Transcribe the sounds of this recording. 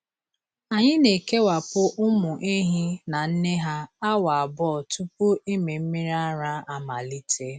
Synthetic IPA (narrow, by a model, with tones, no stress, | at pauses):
a˨ɲɪ˦ne˨ke˦wa˨pʊ˦ʔʊ˦mʊ˨ʔe˦ɦi˦na˨n̩˦ne˦ɦa˦a˦wa˨a˨bɔ˦˨tu˦pu˦i˦me˨m̩˦mi˦ɾa˦ɾa˦a˨ma˨li˦tʰe˦